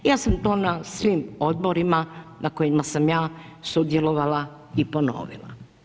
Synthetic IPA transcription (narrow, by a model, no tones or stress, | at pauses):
jaːsamt̪o̞ːnasʋiːmo̞d̪̚bo̞ɾimanʔako̞jimasamjaːsud̪jeloʋala | ipo̞no̰ːʋḭlˠa̰